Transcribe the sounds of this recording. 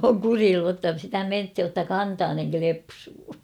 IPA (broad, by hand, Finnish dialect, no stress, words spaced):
oːŋ kuriːlːu tːɑ sitæ menthij jotːɑ kɑntɑːneŋ klepsuː